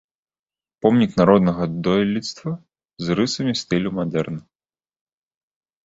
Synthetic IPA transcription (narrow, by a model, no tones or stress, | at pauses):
pɔmnʲiknaɾɔd̪nɐɣɐd̪ɔjlʲit̪st̪vɐ | zɾɨsɐmʲist̪ɨlʲumad̪ɛrnɐ